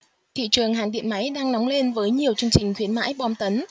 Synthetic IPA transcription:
t̪ʰḭ˧˨t͡ɕɨ˨˩əŋɦa̰ː˧˩ŋɗḭ˧˨ənma˨˦jɗaː˧ŋnɔ˨˦wŋ͡mle˧nvəː˨˦jɲi˨˩əwt͡ɕɨ˧əŋt͡ɕï˨˩ŋ̟xwi˨˦ənma̰ː˧˥jɓɔ˧mt̪ə˨˦n

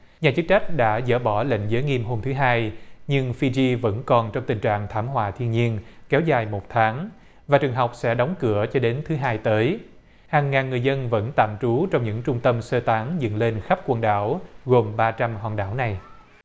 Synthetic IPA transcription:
ɲaː˨˩t͡ɕɨ˦˥k̚t͡ɕa˦˥k̟̚ɗa̰ː˧˥zə̰ː˧˩ɓɔ˧˩lḛ˧˨ŋzəː˨˦jŋi˧mɦo˧mt̪ʰɨ˨˦ɦaː˧jɲɨ˧ŋfi˧zi˧və̰˧˥nkɔ˨˩nt͡ɕɔ˧wŋ͡mt̪ï˨˩ŋ̟t͡ɕa̰ː˧˨ŋt̪ʰaː˧˩mɦwaː˧˨˩t̪ʰi˧ənɲi˧ənkɛ˨˦wzaː˨˩jmo˨˩t̚t̪ʰaː˨˦ŋ | vaː˨˩t͡ɕɨ˨˩əŋɦa˨˩wk͡p̚sɛ̰˧˥ɗɔ˨˦wŋ͡mkɨ˧˩ət͡ɕɔ˧ɗe˨˦nt̪ʰɨ˨˦ɦaː˧jt̪əː˨˦j | haː˨˩ŋːaː˨˩nːɨ˨˩əjzə˧nvə̰˧˥nt̪a̰ː˧˨mt͡ɕu˨˦t͡ɕɔ˧wŋ͡mɲɨ̰˧˥ŋt͡ɕʊ˧ŋ͡mt̪ə˧msəː˧t̪aː˨˦ŋzə̰˧˨nle˧nxa˦˥p̚kwə˧nɗa̰ː˧˩wɣo˨˩mɓaː˧t͡ɕa˧mhwa̰ː˨˩nɗa̰ː˧˩wna˨˩j

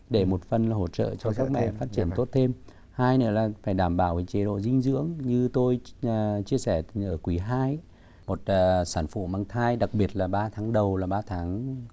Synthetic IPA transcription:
ɗe˧˩mo˨˩t̚fə˨˩nlaː˨˩ɦo˧˩t̚t͡ɕə̰ː˧˨t͡ɕɔ˧zaː˦˥k̚mɛ̰˧˨˧faː˦˥t̚t͡ɕi˧˩ənt̪o˦˥t̚t̪ʰe˧m | haː˧jnɨ̰˧˥əlaː˨˩faː˧˩jɗaː˧˩mɓaː˧˩wvəː˨˦jt͡ɕe˨˧˦ɗo̰˧˨zï˧ŋ̟zɨ̰˧˥əŋɲɨ˧t̪o˧jt͡ɕi˧əsɛ˧˩ʔəː˧˩kwi˨˦ɦaː˧j | mo˨˩t̚ːsaː˧˩nfṵ˧˨maː˧ŋt̪ʰaː˧jɗa˨˩k̚ɓi˨˩ət̚laː˨˩ɓaː˧t̪ʰaː˨˦ŋɗə˨˩wlaː˨˩ɓaː˧t̪ʰaː˨˦ŋ

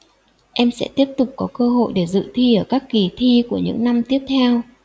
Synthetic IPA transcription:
ʔɛ˧msɛ̰˧˥t̪i˦˥əp̚t̪ʊ˨˩k͡p̚kɔ˨˦kəː˧ɦo̰˧˨jɗe˧˩zɨ̰˧˨t̪ʰi˧ʔəː˧˩kaː˦˥kːi˨˩t̪ʰi˧ku˧˩əɲɨ̰˧˥ŋna˧mt̪i˦˥əp̚t̪ʰɛ˧w

